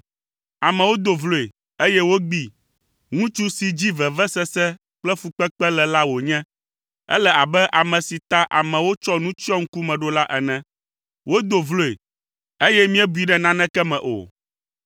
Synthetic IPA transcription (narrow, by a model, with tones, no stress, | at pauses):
a˨mɛ̃˨wo˦d̪o˨vlo˦e˨ | e˦jɛ˦wo˦ɡ͡bi˦ | ŋũ˦t͡ʃu˦si˦d͡ʑi˦vɛ˨vɛ˦sɛ˦sɛ˦ | k͡plɛ˦fu˦k͡pɛ˦k͡pɛ˦lɛ˨la˦wo˨ɲɛ̃˦ | ɛ̰˦lɛ˦a˨bɛ˦ʔa˨mɛ̃˨si˨t̪a˦ʔa̰˨mɛ̃˨wo˦t͡ʃɔ˦nũ˦t͡ʃi˦ɔ˦ŋ̩˦ku˦mɛ̃˨ɖo˦la˦ʔɛ˨nɛ̃˦ | wo˦d̪o˨vlo˦e˨ | e˦jɛ˦mĩ˦ɛ˦bu˨˦i˨ɖɛ˦nã˦nɛ̃˦kɛ˦mɛ̃˨ʔo̰˨